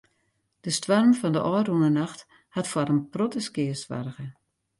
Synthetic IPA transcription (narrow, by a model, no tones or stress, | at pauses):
d̥əstwarmfɔndəʔɔːrunənaxt | hatfwaɾənprotəskɪəsʋa̰rɣə